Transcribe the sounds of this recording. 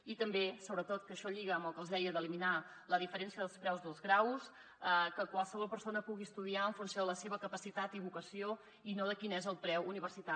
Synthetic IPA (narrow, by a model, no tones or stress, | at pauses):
it̪əmbesoβɾət̪ot̪kəʃɔʎiɣəːmbəlˠkəlˠzðɛjəd̪əlimina | ləðifəɾɛnsiəðəlˠspɾɛwzðəlzɣɾaws | əkəkwalˠsəβɔlˠpəɾsonəpuɣiəst̪uðiaəɱfunsjoðələseβəkəpəsit̪at̪iβukəsio | inoðəkinɛzəlˠpɾɛwuniβ̞ərsit̪a